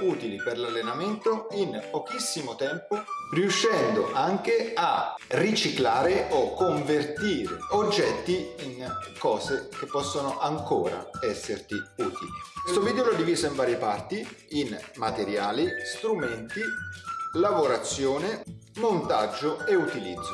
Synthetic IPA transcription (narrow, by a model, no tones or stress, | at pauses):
uːt̪iliperlalːenament̪oinpokisːimot̪ɛmporiuʃːɛnd̪oʔaŋk̟earit͡ʃiklaːɾeokːoɱvert̪iːɾḛod͡ʒːɛt̪ːiinkɔːzek̟epːɔsːonoʔaŋkoːɾa̰ɛsːert̪iuːt̪ilikwst̪oviːd̪eoloɛd̪ːiviːzoiɱvaːɾjepart̪iinmat̪eɾjaːlist̪ɾumɛnt̪i | lavoɾat̪sːjoːnemont̪ad͡ʒːoeut̪ilid̪zːo